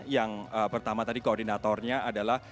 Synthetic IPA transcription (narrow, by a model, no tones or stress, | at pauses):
jaŋəpərt̪amat̪adikoɔrdinat̪ɔrɲaʔadalah